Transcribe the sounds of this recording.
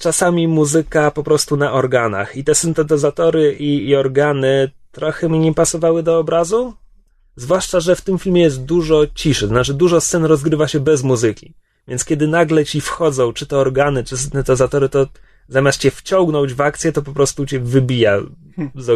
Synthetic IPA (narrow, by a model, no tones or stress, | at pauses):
t͡ʂasamʲimuzɘkapɔpɾɔst̪unaʔɔɾɡana̰xit̪ɛsɘnt̪ɛt̪̬ɛzat̪ɔɾɘiːɔɾɡanɘt̪ɾɔxɛmʲɲɛpasɔvawɘd̪ɔːbɾazu | zvwaʂt͡ʂaʐɛft̪ɘmfʲilmʲjɛjɛs̬t̪̚d̪uʐɔt͡ɕiʂɘt̪ɔznat͡ʂɘd̪uʐɔst̪sɛnɾɔzɡɾɘvaɕɛbɛzmuzɘkʲi | vʲjɛntskʲjɛd̪ɘnaɡlɛt͡ɕifxɔd̪zɔ̃w̃t͡ʂɘt̪ɛɔɾɡanɘt͡ʂɘsɘnt̪ɛt̪ɛzat̪ɔɾɘt̪ɔ | zamʲjast̪̚t͡ɕɛft͡ɕɔ̃ŋɡnɔ̃wd͡ʑvakt̪sjɛt̪ɔpɔpɾɔst̪ut͡ɕɛvɘbʲija | zɔ